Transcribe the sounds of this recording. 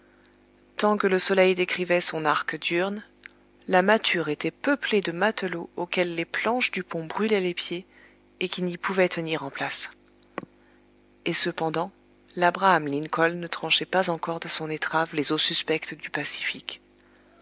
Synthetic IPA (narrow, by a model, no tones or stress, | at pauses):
t̪ɑ̃kələsɔlɛjd̪ekχivɛsɔ̃naʁkd̪yʁn | lamat̪ʰyʁet̪ɛpəpled̪əmat̪əlookʲɛlːeplɑ̃ʃd̪ypɔ̃bʁylɛlepje | ekʲinipuvɛt̪əniʁɑ̃plas | esəpɑ̃d̪ɑ̃ | labʁaːmlinkɔlnət̪χɑ̃ʃɛpazɑ̃kɔʁd̪əsɔ̃net̪χavlezosyspɛkt̪d̪ypasi̥fikʲ